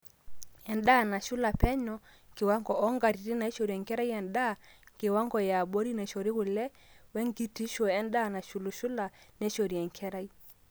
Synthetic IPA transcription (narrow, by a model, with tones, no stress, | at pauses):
ɛ˨nda˦˨na˨ʃu˦la˨pɛ˦ɲɔ˦ | ŋɡe˨wa˦ŋɡɔ˨ɔ˦ŋɡa˨ɾi˨ɾi˦na˨i˦ʃɔ˨ɾi˨ɛ˨ŋkɛ˦ɾa˦i˦ɛ˨nda˦˨ŋɡe˨wa˦ŋɡɔ˨ja˨ɓɔ˦ɾi˦nɛ˨ʃɔ˨ɾi˦ɣu˨lɛ˦ | wɛ˦ŋɡi˦ti˦ʃɔ˨ɛ˦nda˦˨na˨ʃu˨lu˨ʃu˦la˨nɛ˦ʃɔ˨ɾi˨ɛ˨ŋkʰɛ˦ɾa˦i˦